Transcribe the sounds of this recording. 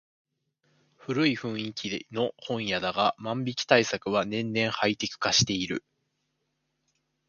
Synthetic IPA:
ɸɯ̟ɾɯ̟iɸɯ̟̃ɰ̃ikʲino̞hõ̞ɰ̃jad̪aɡamãmbʲikʲi̥t̪aisakɯ̟βanẽ̞nnẽ̞ɰ̃hait̪e̞kɯ̟̥kaɕi̥t̪e̞iɾɯ̟̰

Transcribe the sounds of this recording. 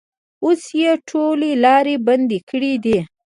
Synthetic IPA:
osjeʈʰolelɑɾeband̪ekʰəɽid̪i

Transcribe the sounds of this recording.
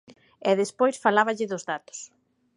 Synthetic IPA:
ɛðespojsfalaβɐʎɪðʊzðat̪ʊ̥s

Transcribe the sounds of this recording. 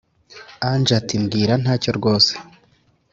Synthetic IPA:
and͡ʒatimɡiːɾan̥haːco̞ɾɡo̞ːse̥

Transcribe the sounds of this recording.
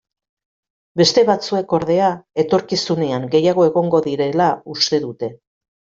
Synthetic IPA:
be̞st̪e̞βat͡sue̞ko̞ɾðe̞ae̞t̪o̞ɾkisuneaŋɡe̞jaɣ̞o̞e̞ɣo̞ŋɡo̞ðiɾe̞laust̪e̞ðut̪e̞

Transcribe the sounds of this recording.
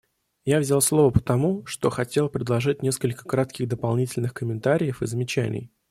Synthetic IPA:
javzʲalˠslˠo̞vəpə̥t̪ɐmuʂt̪o̞xɐtʲe̞lˠpɾʲɪd̪lˠɐʐɨtʲnʲe̞skəlʲkə̥kɾat̪kʲɪɣd̪əpɐlˠnʲitʲɪlʲnɨxkəmʲɪnt̪aɾʲɪjəfɨzəmʲɪt͡ɕænʲɪ̰j

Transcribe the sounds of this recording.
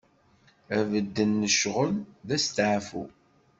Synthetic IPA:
ævəd̪ːənːəʃʁəmðæst̪ʕfṵ

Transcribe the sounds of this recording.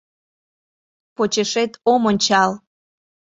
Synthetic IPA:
pot͡ɕeʃet̪omonʲt͡ɕɑl

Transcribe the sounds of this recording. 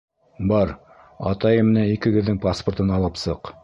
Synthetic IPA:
bɑɾ | ɑ̰t̪ɑjɤm̆næikɘ̆ɡɘ̆ðːɘŋpasport̪ɤnɑlˠɤpsɤq

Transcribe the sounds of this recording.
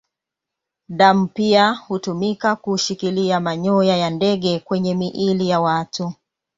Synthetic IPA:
ɗam̩piahutumikakuʃikiliamaɲɔjajandɛɠɛkwɛɲɛmiʔilijawatu

